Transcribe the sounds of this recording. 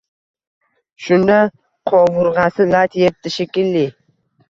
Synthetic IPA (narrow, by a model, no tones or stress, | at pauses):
ʃʊnd̪a | qʰɒvʊɾʁɑsɪlat̪ʰjet̪ːɪʃekʲɪlːi